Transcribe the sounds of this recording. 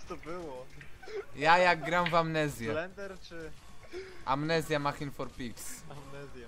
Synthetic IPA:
t̪ɔbɪwɔ | jajaɡɾawvamnɛzjalɛnd̪ɛɾt͡ʃɪ | ʔa̰mnɛzʲjamaxinfɔɾpiksamnɛzja

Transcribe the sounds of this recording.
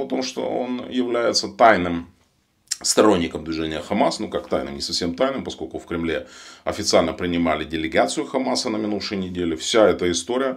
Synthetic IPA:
ɐt̪o̞mʂt̪o̞̰o̞̰njɪvlʲæjɪt̪sət̪ajnɨm | st̪ɐɾo̞nʲːɪkəmd̪vʲɪʐɛnʲɪjəxɐmasnukakt̪ajnɨ̰mnʲɪsɐfsʲe̞mt̪ajnɨmpɐsko̞lʲkʊfkɾʲɪmlʲe̞ɐfʲɪt̪sɨalʲnəpɾʲɪnʲɪmalʲɪdʲɪlʲɪɡat̪sɨjʊxɐmasənəmʲɪnufʂɨjənʲɪdʲelʲɪfsʲaɛt̪əɪst̪o̞ɾʲɪjə

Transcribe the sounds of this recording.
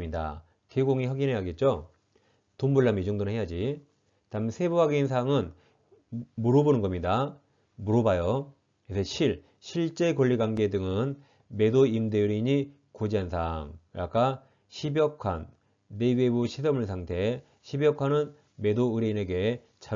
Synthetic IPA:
mɲida̰ | keɡoŋiɸwaɡine̞jaɡe̞t̚t͡ɕ͈o | tombuɭːamid͡ʑoŋdonnɦe̞jad͡ʑi | tamɯnsʰe̞buɦaɡeins̬ʰaŋɯn | muɾobonɯnɡʌmɲida | muɾobajo | isʰʌɕʰiɭ | ɕʰiɭt͡ɕ͈e̞kʌʎːiɡwaŋɡe̞dɯŋɯn | me̞doimdeuɾiɲi | kod͡ʑiɦansʰaŋɾak͈a | ɕʰibjʌkʰwanː | e̞bebuɕʰis̬ʰʌmuɭsʰaŋtʰe̞ | ɕʰibjʌkʰanɯn | me̞doɯɾeine̞ɡe̞ | t͡ɕa

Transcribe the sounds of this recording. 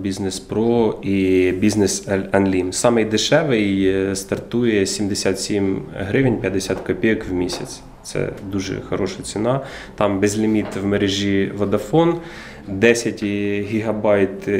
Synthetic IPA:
bʲiznespɾɔibʲizʲnesɛnlʲimsɑmɪjd̪ɪʃɛʋɪjst̪ɐrt̪ujɛsʲimd̪esʲat̪sʲimɦɾɪʋɪnʲpʲjɐd̪ːesʲat̪kɔpʲijɐkwmʲisʲɐ̰t̪sʲ | t̪sɛ̰d̪uʒɛ̰xɐɾɔʃɐt͡sʲinɑ | t̪ɑmbɛzʲlʲɪmʲit̪wmeɾeʒʲiʋɐd̪ɐfɔn | d̪ɛsʲɐtʲɦʲiɦɐbɑjt̪

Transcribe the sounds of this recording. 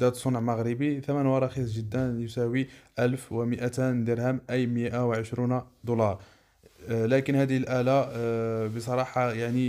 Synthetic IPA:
d̪æt̪sˤonʕmaɣɾəbiθæmænwɑɾˤɑxisˤʒəd̪ːænjʊsæwiʔælfwəməʔæt̪ænd̪əɾhæmʔæjməʔawʕəʃɾund̪olɑɾˤ | lækənhæd̪əhəlʔæla | bəsˤɑɾˤɑħɑjaʕni

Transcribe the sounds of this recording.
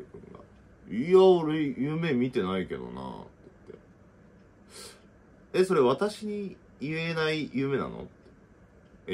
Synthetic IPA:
ekɯ̃ŋɡa̰ | iaoɾejɯːme̞ːmʲit̪e̞naike̞d̪o̞̰na̰t̪t̪ːe̞̰ | eso̞ɾe̞βat̪aɕiɲ̟i | ienaijɯːme̞na̰no̰t̪ːe

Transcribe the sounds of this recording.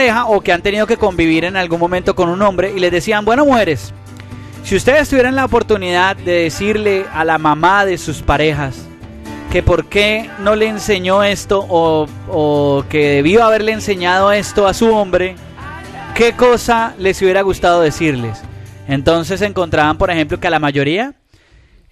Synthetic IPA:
exaʔokeant̪enið̞o̞ke̞ko̞mbiβ̞iɾe̞nalɡunmo̞mẽnt̪o̞ko̞nunõ̞mbɾe̞ʔile̞zðd̪e̞siambwe̞nomuxe̞ɾe̞sː | iust̪e̞ðest̪uβjeɾenlaopo̞ɾt̪uniðaðd̪e̞ðesiɾle̞alamamaðe̞suspaɾe̞xas | ke̞po̞ɾke̞no̞le̞ːnse̞ɲo̞e̞st̪o̞ʔoː | ke̞ðe̞βioaβe̞ɾle̞ːnse̞ɲað̞o̞e̞st̪o̞asuo̞mbɾe̞ | ke̞ko̞sale̞suβje̞ɾaɣust̪að̞o̞ðesiɾle̞sent̪o̞ns̬e̞s̬e̞ŋko̞nt̪ɾaβampo̞ɾexe̞mp̬lo̞kealamaʝo̞ɾia

